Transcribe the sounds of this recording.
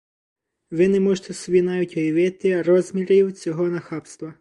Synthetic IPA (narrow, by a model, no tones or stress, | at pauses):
ʋɪnɛmɔʒʊt̪ɛsɔbʲinɑʋʲitʲʋɔjɐʋɪt̪ɪrɔzmʲiɾʲiwt͡sʲɔɦɔnɐxɑpst̪ʋɐ